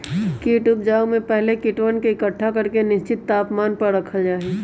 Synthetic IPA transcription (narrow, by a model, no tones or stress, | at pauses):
kiʈʊb̚d͡ʒaːumẽpɛɦlekɪʈʋənkeɪkəʈʰːakɐɾkenɪst͡ʃɪt̪ːaːpmaːnpɐɾɾɐkʰəd͡ʒaːeː